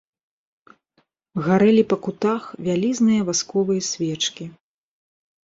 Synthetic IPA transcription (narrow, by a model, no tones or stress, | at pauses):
ɣaɾɛlʲipɐkut̪axvʲalʲiznɨjɐvaskɔvɨjɐsʲvʲɛt͡ʂkʲi